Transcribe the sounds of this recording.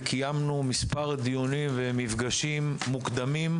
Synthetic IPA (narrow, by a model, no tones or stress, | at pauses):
kʰijamnumispaʁd̪ijonivemivfɡaʃimːukd̪amim